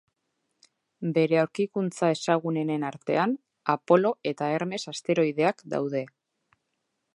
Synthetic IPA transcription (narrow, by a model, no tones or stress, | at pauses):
be̞ɾe̞awɾkikunt͡sae̞saɣ̞une̞nenaɾt̪e̞̰an | apo̞lo̞e̞t̪ae̞ɾme̞sast̪e̞ɾo̞iðe̞akd̪a̰wð̞e̞